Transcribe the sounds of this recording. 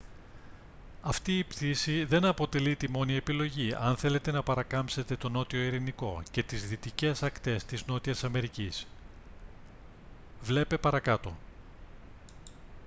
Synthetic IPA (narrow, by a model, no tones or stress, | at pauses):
ɐft̪iːpt̪isiðe̞nɐpo̞t̪e̞lit̪imo̞nie̞pilo̞ʝiɐ̰nθe̞le̞t̪e̞nɐpɐɾɐkɐmpse̞t̪e̞t̪o̞no̞t̪io̞iɾiniko̞ce̞t̪izðit̪ice̞sɐkt̪e̞st̪izno̞t̪iɐsɐme̞ɾicis | vle̞pe̞pɐɾɐkɐt̪o̞̰